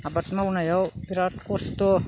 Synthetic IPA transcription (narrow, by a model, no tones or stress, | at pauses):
abat̪mawnajawpiɾat̪kost̪o